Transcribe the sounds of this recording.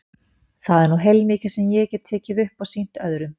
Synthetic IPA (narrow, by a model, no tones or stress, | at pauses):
θaðɛɾnuɦejlmɪːcɪ̥sɛmjɛcɛt̪̚t̪ʰːɛːcɪðʏhpɔɣsin̥t̪œðɾʏm